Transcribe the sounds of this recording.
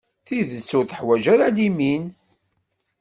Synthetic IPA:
θiðəsːʊɾθəħwæʒaɾalimin

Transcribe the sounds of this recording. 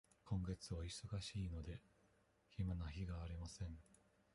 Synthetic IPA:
kõ̞ŋɡe̞t͡sɨβaiso̞ɡaɕiːno̞d̪e̞ | çimanaçiɡaːɾʲimasẽ̞ɴ

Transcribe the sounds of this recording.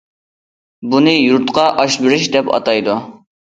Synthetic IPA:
bunɨjuɾt̪qɑʔɑʃbɪɾɪʃd̪ɛpɑ̰t̪ɑjd̪u

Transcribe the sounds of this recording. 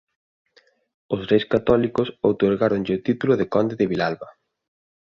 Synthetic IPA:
ʊsrejskat̪ɔlikʊsowt̪oɾɣaɾonʎɪot̪it̪ulʊðɪkɔnd̪eðɪβilalβɐ

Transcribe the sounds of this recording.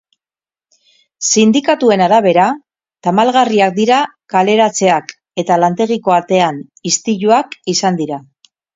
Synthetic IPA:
sind̪ikat̪ue̞naɾaβ̞e̞ɾa | t̪amalɣariak̚d̪iɾa | kale̞ɾat͡se̞ak | e̞t̪alant̪e̞ɣ̞iko̞at̪e̞an | ist̪iʎuakisand̪iɾa

